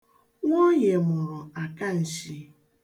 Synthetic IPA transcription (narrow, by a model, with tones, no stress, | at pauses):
ŋʷo˦ɲe˨mʊ˨ɾʊ˨a˨ka˦n̩˨ʃi˦